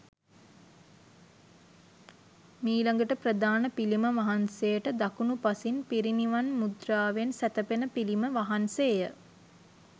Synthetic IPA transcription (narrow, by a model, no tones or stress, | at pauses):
miːlaŋɡəʈəprəd̪aːnəpiliməʋaɦansejəʈəd̪akunupasinpiɾiniʋanmud̪raːʋensæt̪əpenəpiliməʋaɦansejə